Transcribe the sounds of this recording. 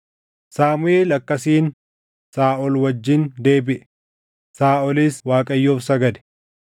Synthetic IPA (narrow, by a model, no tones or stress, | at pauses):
saːmʊeːlɐkːɐsiːn | saːʔɔlwɐd͡ʒːɪnd̪e̞ːbɪʔɛ̥ | saːʔɔliːswaːkʼɐjːoːfsɐɡɐd̪ɛ̥